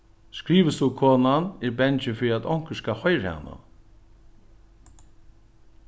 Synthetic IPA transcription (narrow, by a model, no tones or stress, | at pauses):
skɹiːʋəst̪ukʰoːnanɪɾbɛnt͡ʃɪfɪɾiat̪ɔŋ̥kəskahɔjɾha̰nːa̰